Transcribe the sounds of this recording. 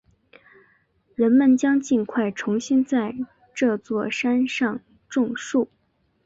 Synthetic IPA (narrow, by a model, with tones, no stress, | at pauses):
ɻə˧˥nmə˥˧nt͡ɕjɑ˥ŋt͡ɕi˥˧nkʰwa˥˩ɪʈ͡ʂʰʊ˧˥ŋɕi˥nt͡sa˥˧ɪ | ʈ͡ʂɤ˥˧t͡swɔ˥˩ʂa˥nʂɑ˥˧ŋ | ʈ͡ʂʊ˥˧ŋʂu˥˩